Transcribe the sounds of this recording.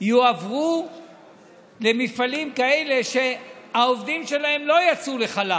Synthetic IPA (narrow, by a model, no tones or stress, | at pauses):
juavʁu | le̞mifalimkaele̞ʃe̞haovd̪imʃe̞lae̞mlo̞jat͡sule̞χala